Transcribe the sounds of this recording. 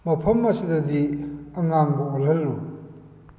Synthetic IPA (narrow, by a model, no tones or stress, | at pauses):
mɐpʰɐmːɐsidɐdiɐŋaŋbɐɐlɦɐlːu